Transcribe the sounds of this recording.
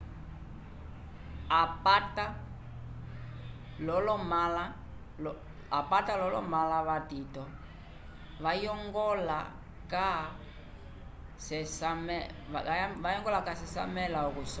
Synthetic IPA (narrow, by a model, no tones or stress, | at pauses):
apata | lɔlɔmala | apatalɔlɔ̰malaβatitɔ | ʋajɔŋɡɔla̰ | ka | sɛsamɛ | ʋajɔŋɡɔlakasɛsa̰mɛlaɔkus